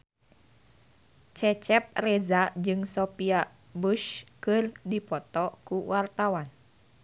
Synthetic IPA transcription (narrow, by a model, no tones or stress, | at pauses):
t͡ʃɛt͡ʃɛp̚rɛzad͡ʒɨŋsopia | buʃkɨrdipɔt̪ɔkuwart̪awan